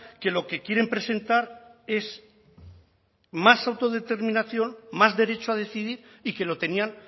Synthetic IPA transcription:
ke̞lo̞ke̞kjeɾe̞mpɾe̞se̞nt̪aɾe̞s | masawt̪o̞ð̞e̞t̪e̞ɾmĩnaθjo̞nmazðe̞ɾe̞t͡ʃoað̞e̞θiðiɾ | ike̞lo̞t̪e̞nian

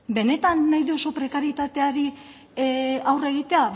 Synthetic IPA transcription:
be̞ne̞t̪anːajðeo̞so̞pɾe̞kaɾit̪at̪e̞aɾi | awre̞ɣ̞it̪e̞a

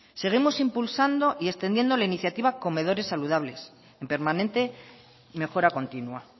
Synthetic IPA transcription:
se̞ɣ̞imo̞simpulsand̪o̞ʔie̞st̪end̪je̞nd̪o̞lainiθjat̪iβako̞me̞ðo̞ɾe̞sːaluð̞aβ̞le̞s | e̞mpe̞ɾmanẽ̞nt̪e̞ | me̞xo̞ɾako̞nt̪inwa

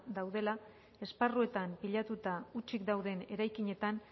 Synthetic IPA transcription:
d̪awðe̞la | e̞sparue̞t̪ampiʎat̪ut̪aut͡ʃikd̪awðe̞ne̞ɾajkiɲe̞t̪an

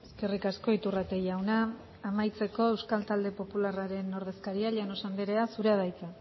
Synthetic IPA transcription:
e̞ske̞rikasko̞it̪urat̪e̞jawnaː | majt͡se̞ko̞e̞wskalt̪ald̪e̞po̞pularaɾe̞no̞ɾð̞e̞skaɾiaʎenosand̪eɾeasuɾeað̞ajt͡sa

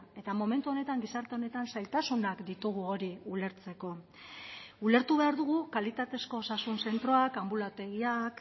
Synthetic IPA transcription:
e̞t̪amo̞me̞nt̪uo̞ne̞t̪aŋɡisaɾt̪e̞o̞ne̞t̪ansajlt̪asunakd̪it̪uɣ̞uo̞ɾiule̞ɾt͡se̞ko̞ | ule̞ɾt̪uβe̞aɾðuɣ̞ukalit̪at̪e̞sko̞ːsasunse̞nt̪ɾo̞akambulat̪e̞ɣiak

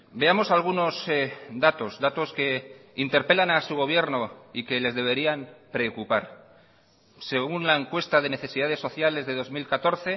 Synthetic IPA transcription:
be̞amo̞salɣ̞uno̞sd̪at̪o̞zðat̪o̞ske̞int̪e̞ɾpe̞lanasuɣ̞o̞β̞je̞ɾnoike̞le̞zðe̞β̞e̞ɾiampɾe̞okupaɾ | se̞ɣunlae̞ŋkwe̞st̪að̞e̞ne̞θe̞siðað̞e̞sːo̞θjale̞zðe̞ðo̞zmilkat̪o̞ɾθe̞

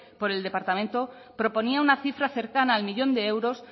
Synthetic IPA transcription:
po̞ɾe̞ld̪e̞paɾt̪amẽ̞nt̪o̞ | pɾo̞po̞niaunaθifɾaθe̞ɾkanaːlmiʎõ̞nd̪e̞ewɾo̞s

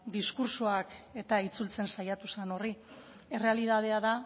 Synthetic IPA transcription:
d̪iskuɾsoake̞t̪ait͡sult͡se̞nsajat̪usano̞ri | e̞re̞aliðað̞e̞aða

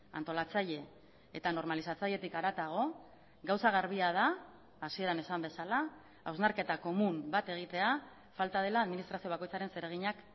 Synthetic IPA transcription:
a̰nt̪o̞lat͡saʎe̞ː | t̪ano̞ɾmalisat͡saʎe̞t̪ikaɾat̪aɣ̞o̞ | ɡawsaɣ̞aɾβ̞iað̞aː | sie̞ɾane̞sambe̞sala | awznaɾke̞t̪ako̞mumbat̪e̞ɣ̞it̪e̞a | falt̪aðe̞laːðminist̪ɾasio̞β̞ako̞jt͡saɾe̞nse̞ɾe̞ɣ̞iɲak

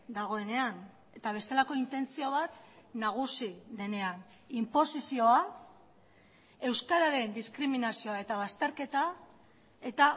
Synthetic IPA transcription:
d̪aɣ̞o̞e̞ne̞an | e̞t̪aβ̞e̞st̪e̞lako̞int̪e̞nt͡sio̞β̞at̪naɣ̞usiðe̞ne̞an | impo̞sisio̞a | e̞wskaɾaɾe̞nd̪iskɾiminasio̞ae̞t̪aβ̞ast̪e̞ɾke̞t̪a | e̞t̪a

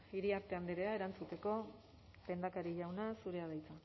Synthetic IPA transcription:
iɾiaɾt̪e̞and̪eɾe̞ae̞ɾant͡sut̪e̞ko̞ | pe̞nd̪akaɾiʎawnasuɾe̞aðajt͡sa

